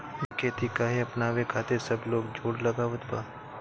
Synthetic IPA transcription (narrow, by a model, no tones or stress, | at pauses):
kʰeːt̪ikaːɦeɐpnaːʋekʰaːt̪esɐbloːɡd͡ʒʱoːɽlɐɡaʋəd̪baː